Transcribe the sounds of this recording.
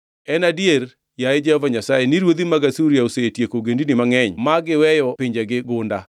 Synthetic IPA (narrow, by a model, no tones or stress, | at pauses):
ɛnadieɾ | jaed͡ʒɛhɔvaɲasajeniɾwod̪imaɡasuɾjaosetjekoɡendinimaŋɛɲmaɡɪwɛjɔpɪɲd͡ʒeɡɪɡʊnda